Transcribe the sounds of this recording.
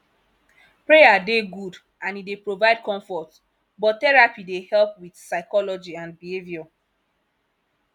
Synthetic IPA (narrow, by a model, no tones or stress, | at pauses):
pɹejadeɡud | ãnidepɹovaɪd̚kɔ̃ɱfɔt | bɔttɛɹapidehɛlpwid̥saɪkɔlɔd͡ʒiãnbihevjɔ